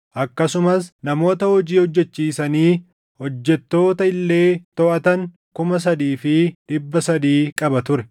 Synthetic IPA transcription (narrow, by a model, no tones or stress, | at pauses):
ʔɐkːɐsʊmɐsnɐmo̞ːt̪ɐhɔd͡ʒiːhɔd͡ʒːɛt͡ʃːiːsɐniː | hɔd͡ʒːɛt̪ːo̞ːt̪ɐɪlːe̞ːt̪ɔʔɐt̪ɐŋ | kʊmɐs̬ɐd̪iːfɪᶑɪbːɐsɐd̪iːkʼɐbɐt̪ʊɾɛ